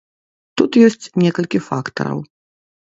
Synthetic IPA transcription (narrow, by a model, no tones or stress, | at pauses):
t̪ut̪jɔsʲt͡sʲnʲɛkɐlʲkʲifakt̪ɐ̰ɾɐ̰w